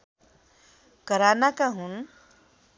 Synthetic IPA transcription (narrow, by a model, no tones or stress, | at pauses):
kəɾanakaɦun